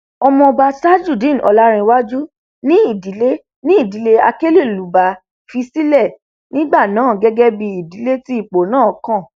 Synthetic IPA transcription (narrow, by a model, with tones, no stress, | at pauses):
ɔ˧mɔ̃˧ba˧sa˦d͡ʒu˦˨dĩ˦˨n̩˨ʔɔ̰˧la˦ɾ̃ĩ˧wa˦d͡ʒu˦ | nĩ˦i˦˨di˨˦le˦ | nĩ˦i˦˨di˨˦le˦a˧ke˦le˦˨lu˨ba˨˦ | fi˧si˦lɛ˦˨ | nĩ˦ɡ͡ba˦˨nã˨˦˨ɡɛ˦ɡɛ˦bi˧i˨di˨˦le˦ti˦i˦˨k͡po˨nãː˦˨kã˦˨